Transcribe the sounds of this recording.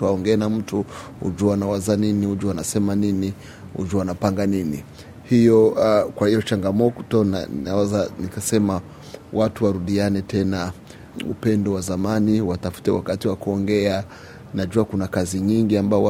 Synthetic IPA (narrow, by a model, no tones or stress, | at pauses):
tuaɔŋɡɛːnam̩tu | ṵd͡ʒuaanawazaniniud͡ʒuanasɛmanini | ṵd͡ʒuanapaŋɡanini | hijɔkwahijɔt͡ʃaŋɡamɔtɔna̰nawɛzanikasɛma | watuwaɾuɗianɛtɛna | ṵpɛndɔwazamaniwatafu̥tɛwakatiwakuɔŋɡɛa | naʄuakunakaziɲiŋɡiambaɔ